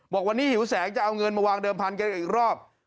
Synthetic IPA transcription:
bɔː˨˩k̚wa˧nːiː˦˥hi˩˦wsɛː˩˦˥ŋt͡ɕa˨˩ʔa˧wŋɤ˧nma˧waː˧ŋdɤː˧mpʰa˧nk̬a˧nʔiː˨˩k̚ɾɔː˥˩p̚

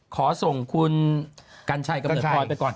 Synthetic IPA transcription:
kʰɔː˩˦so˨˩ŋkʰu˧nkaː˧nt͡ɕʰa˧jka˧nː˨˩˧ɔː˧jpa˧kɔː˨˩n

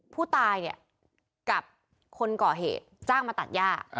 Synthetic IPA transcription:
pʰuː˥˩t̪aː˧jni˦˥˩ɐ | ka˨˩p̚ | kʰo˧nkɔː˨˩ɦḛː˨˩t̪̚t͡ɕaː˥˩ŋma˧t̪a˨˩t̪̚jaː˥˩k̚

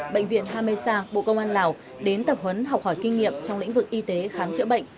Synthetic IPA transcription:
ɓə̰˧˨jŋ̟vḭ˧˨ənɦaː˧me˧saː˧ɓo̰˧˨kə˧wŋ͡mʔaː˧nlaː˨˩w | ɗe˨˦nt̪ə˨˩p̚hə˨˦nɦa˨˩k͡p̚hɔː˧˩jkï˧ŋ̟ŋḭ˧˨əmt͡ɕɔ˧wŋ͡mlḭ˧˥ŋ̟vɨ˨˩k̚ʔi˧t̪e˨˦xaː˨˦mt͡ɕɨ̰˧˥ɓə̰˧˨jŋ̟

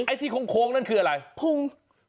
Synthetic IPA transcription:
ʔa˧jt̪ʰiː˥˩kʰo˨˧˦ŋkʰoː˨˦˥ŋ̚na˥˩nkʰɯː˧ʔa˧ɾa˧jpʰu˧˩ŋ

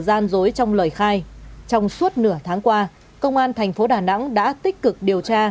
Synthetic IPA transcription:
zaː˧nzo˨˦jt͡ɕɔ˧wŋ͡mləː˨˩jxaː˧jt͡ɕɔ˧wŋ͡msu˦˥ət̚nɨ˧˩ət̪ʰaː˨˦ŋkwaː˧ | kə˧wŋ͡mʔaː˧nt̪ʰɛ˨˩jŋ̟fo˨˦ɗaː˨˩na̰˧˥ŋɗa̰ː˧˥t̪ï˦˥k̟̚kɨ˨˩k̚ɗi˨˩əwt͡ɕaː˧

